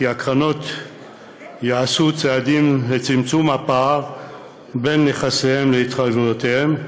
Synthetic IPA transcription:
kiakʁano̞t̪ | jaasut͡sead̪imlet͡simt͡sumhapaːʁ | be̞nːeχasehe̞mleit̪χajvujot̪ehem

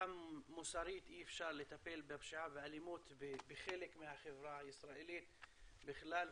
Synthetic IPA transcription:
ammʊsɑːɾiːt̪ʔiʔɪfʃɑːɾˤlɪt̪apeːlbabʃiʕabɪʕalimuːt̪bbɪxeːlɪkmɪhaxɪvɾaʔɪsɾˤɑːʔiliːt̪bɪxɪlaːl

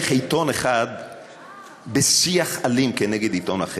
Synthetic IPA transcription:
χejt̪o̞neχad̪ | besiaχalimkeneɡed̪it̪ona̰χe

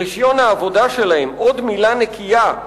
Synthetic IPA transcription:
iʃjo̞naːvo̞d̪aʃe̞lahemo̞d̪milanekʰija

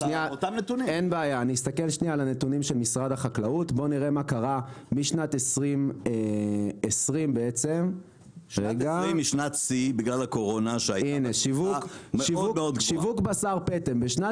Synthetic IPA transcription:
niaot̪amnet̪unie̞nbeajaːniːst̪ake̞lʃnialane̞tunimʃelmisʁadaχaklautbo̞niʁe̞makaʁamiʃnat̪e̞sʁimeesʁimbe̞et͡se̞m | ʁeɡaimːiʃnat̪sibiɡlalakoʁonaʃeajineʃivukeʃivumeod̪ʃivukbasaʁpetembeʃna

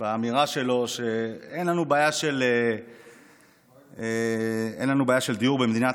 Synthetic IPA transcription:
aːmiʁaʃe̞lo̞ʃe̞enlanubaːjaʃe̞le | eḛnlanubeaːjaʃe̞ld̪ijuʁbemed̪ina

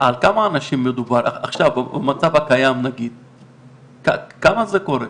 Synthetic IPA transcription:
alkamaːnaʃimːed̪ubaɾa̰a̰χʃavamat͡savakajamnaɡid̪ | kakamazeko̞ɾe

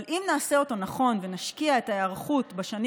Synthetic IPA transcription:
lʔimnaːse̞o̞to̞naχo̞nve̞naʃkiae̞taeaʁχutbaʃan

